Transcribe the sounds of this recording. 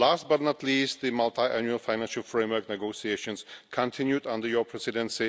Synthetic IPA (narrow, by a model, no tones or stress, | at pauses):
last̚bʌɾ̃n̩ətliːst̪̚ðɨmalˠt̪ʰaɪʔæ̃njʉəlˠfaɪnæ̃nʃəlˠfɹẽɪmwɜ˞k̚nɛɡoʊsieɪʃə̃nskʰə̃ntʰɪ̃njudʌ̃ndə˞jɔpʰɹ̥ɛsɪdɛ̃nsi